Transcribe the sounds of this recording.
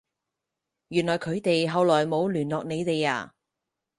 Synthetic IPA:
jyː˨˩nlɔː˨˩jkʰɵ˨˧ɥt̪e˨jɦɐ˨wlɔː˨˩jmo˨˧wlyː˨˩nlɔː˨k̚ne˨˧jt̪e˨ja̰ː˧˩

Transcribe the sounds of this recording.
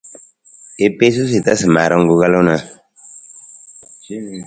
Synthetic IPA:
e˨pe˦s̬u˦s̬i˨ta˦sɨ˨ma˨ɾɔ˦ŋ̩˦ɡu˦ɣa˦lo˦na˨

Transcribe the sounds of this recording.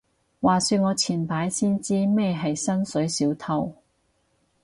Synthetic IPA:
waː˨syː˧ŋɔː˨˧t͡sʰiː˨˩npaː˨˥jsiː˥nt͡siː˥mɛː˥ɦɐ˨jsɐ˥nsɵ˨˥ɥsiː˨˥wt̪ʰɐ˧w

